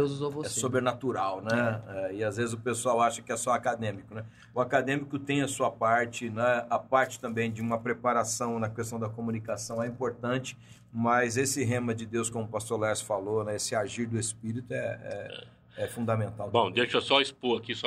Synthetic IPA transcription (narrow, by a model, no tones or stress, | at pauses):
ewzuzovosɛsobɾenat̪uɾawnɛɛɪazvezɪzʊpesuawaʃɐkɪɛsɔakad̪ẽmikʊnɛ | ʊakad̪ẽmikʊt̪ẽj̃ɐsuɐpaɾt͡ʃɪnɛ̃ɐpaɾt͡ʃɪ̥t̪ɐ̃mbẽj̃d͡ʒɪũmɐpɾepaɾasɐ̃w̃nɐkes̬t̪ɐ̃w̃d̪ɐkomũnikasɐ̃w̃ɛĩpoɾt̪ɐ̃t͡ʃɪ̥ | mɐjzesɪɦẽmɐd͡ʒɪd̪ewskõmʊpast̪oɾlɛsfalonɛesɪaʒiɾd̪ʊespiɾit̪ʊɛɛ̰ɛ̰ | ɛfũnd̪ɐmẽnt̪awbõw̃dd̪eʃɐsɔɐispoɐkisɔ